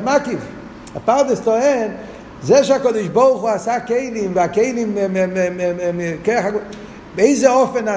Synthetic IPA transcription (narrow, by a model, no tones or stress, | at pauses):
makiv | a̰paʁdɪstɔɛn | zɛʃeakɔdɪʃbɔʁχuasakeɪlimvɪakeɪlim | keaχaɡ | beɪzeɔfɛna